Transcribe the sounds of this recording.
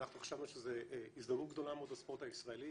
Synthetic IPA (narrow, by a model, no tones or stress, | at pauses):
naχnueχʃavnuʃezeisd̪amut̪̚ɡd̪o̞lameod̪aspo̞ʁt̪aisʁaeli